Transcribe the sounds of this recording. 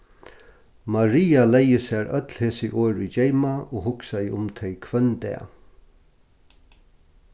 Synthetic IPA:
maɾiːalɛjəsæːɾʔœt̪lheːsəʔoːɹʏd͡ʒɛɪmaoːhʊksajʊmt̪ʰɛɪkʰʋœnd̪ɛ̰ː

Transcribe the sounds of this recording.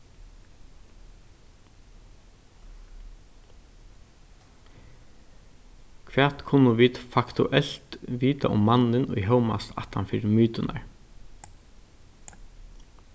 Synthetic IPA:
kʰʋɛːt̪kʰʊnːʊʋiːt̪fakt̪ʰṵʔɛl̥t̪ʋiːt̪a̰ʔʊmːanɪnʊ̰jɦœwma̰st̪a̰ht̪anfɪɾmyːt̪ʊna̰ɹ

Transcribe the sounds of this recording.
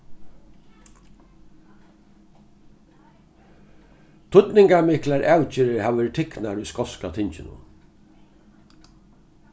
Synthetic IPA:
t̪ʰʊt̪nɪŋkamɪhklaɹʔawt͡ʃɪɾɪɾhaːʋʋɛːɾɪt̪ʰɪknaɹuskɔskat̪ʰɪɲt͡ʃɪnʊ̰

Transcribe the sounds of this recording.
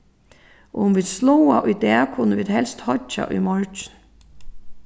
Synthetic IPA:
ʔɔhunʋiːd̪slɔwaʔʊjd̪ɛːkʰʊnəʋiːd̪hɛlst̪hɔt͡ʃːa̰ʔʊ̰jmɔɹt͡ʃɪn

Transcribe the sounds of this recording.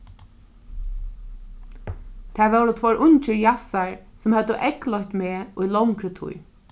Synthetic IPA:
t̪ʰæːʋɛwɾɔt̪ʰvɔɹʔʊɲt͡ʃɪɹjasaɹsʊmhœd̪əʔɛklɔjçt̪meːujlɔwŋkɾət̪ʰṵj

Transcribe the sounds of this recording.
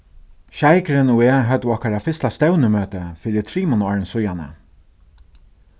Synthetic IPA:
ʃajkɾɪnueːɦœt̪ɔhkaɾafɪst̪ast̪ɛwnəmøːt̪əfɪːɾɪt̪ʰɾiːmʊnɔːɹɪnsʊjanə̰

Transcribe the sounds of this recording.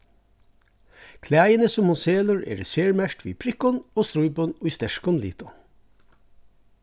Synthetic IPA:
kʰlæːjənəsʊmhʊnseːləɹḛːɾɛseːɹmæʃʈʋḭːpʰɾɪkɔnoːst̪ɾʊʏbɔnʊːst̪ɛʃkɔnlḭːt̪ɔ

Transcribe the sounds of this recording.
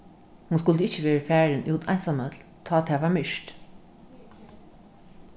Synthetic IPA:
hunskʊld̪əɪt͡ʃːəʋeːɹəfæːɹɪnʔuːt̪ʰɑ̰jnsamət̪l | t̪ʰɑːt̪ʰɛːʋaːɹmɪʃt

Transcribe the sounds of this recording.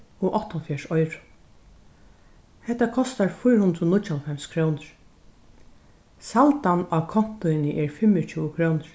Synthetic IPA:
ɔʔɔht̪ɔfjaʂɔjɾʊ̥ | hɛht̪ːakʰɔst̪aɹfʊjɾhʊnd̪ɾʊnʊt͡ʃalfɛmskʰɾownɪɹ̥ | salt̪anakʰɔn̥t̪ʊɪnɪʔɛɹfɪmɪt͡ʃʰuːʊkʰɾoːwnɪɹ̥

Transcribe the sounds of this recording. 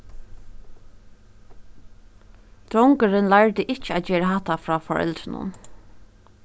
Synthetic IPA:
d̪̥ɾɔŋkəɾɪnlaɹt̪ɪʔɪt͡ʃɪaːd͡ʒɛːɾaɦaht̪afɹɔːfɔ̰ɹɛ̰lt̪ɾɪnʊ̰n

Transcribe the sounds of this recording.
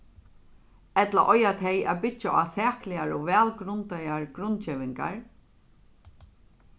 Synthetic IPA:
ɛt̪laʔɔjat̪ʰɛjæ̰ðbɪaasɛːklɪaɹɔʋɛːlɡɾʊnt̪ajaɹɡɾʊnt͡ʃeːʋɪŋka̰ɹ

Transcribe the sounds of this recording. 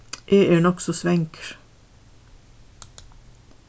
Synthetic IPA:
ʔeːʔeːɳɔksɔsʋɛŋkɾ

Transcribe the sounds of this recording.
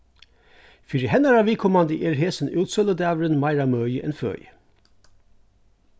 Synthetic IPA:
fiɾihɛnəɾɑʋiːkʰɔmɑnd̪əʔeːɾɦeːsən̩ʔʉːt̪sœləd̪æːʋəɾənmæɪɾɑmœːjəʔɛnfø̰ːjə

